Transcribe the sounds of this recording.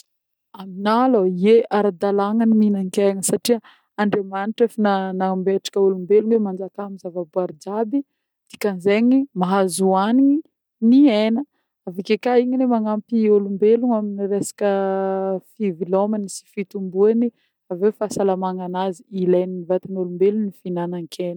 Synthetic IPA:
aminaloieʔaɾad̪alaŋəniminaŋkeŋəsaʈ͡ʂiə | aɳɖ͡ʐemaniʈ͡ʂafinanambeʈ͡ʂḁkəulumbeluŋwemand͡ʒakamizavabuaɾd͡ʒabi | d̪̥ikanzeɲimaɦazuaniɲi | nienə | avikekaiɲilemaŋampiolumbeluŋaminiɾesḁkə | fivilomanisi̥fit̪umbuani | avewfasalamaŋanaziilajninivat̪anolumbelunifinanaŋkʰenə

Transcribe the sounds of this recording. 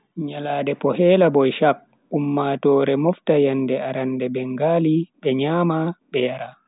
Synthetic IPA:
ɲalaːdɛpɔhɛːlabɔjʃak̚ː | umːatɔːɾɛmɔftajandɛaɾandɛbɛŋɡaːlibɛɲaːmaɓɛjaɾa

